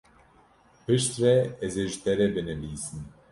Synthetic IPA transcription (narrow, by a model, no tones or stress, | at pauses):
pɨʃt̪rɛɛzeʒɨt̪ɛɾɛbɨnɨviːsɨn